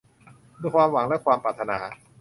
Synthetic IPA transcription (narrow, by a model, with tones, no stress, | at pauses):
duː˧kʰwaː˧mwa˨˩˦ŋlɛ˦˥˩kʰwaː˧mpaː˨˩t̪ʰːa˧na̰ː˩˦